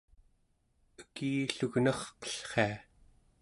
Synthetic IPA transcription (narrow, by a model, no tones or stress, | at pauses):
əkiːɬuɣnʌχqʌ̥ɬχea